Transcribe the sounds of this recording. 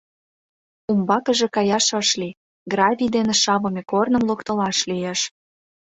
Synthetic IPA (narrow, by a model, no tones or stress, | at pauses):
umbɑkə̆ʒĕkɑjɑʃɤ̆ʃli | ɡrɑvʲid̪eneʃɑβɤ̆mʲekornə̆mlokt̪ɤ̆lɑʃlijeʃ